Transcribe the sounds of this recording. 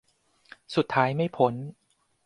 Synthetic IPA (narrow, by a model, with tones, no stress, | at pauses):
su˨˩t̪ʰːaː˦˥jma˥˩jpʰo˨˦˥n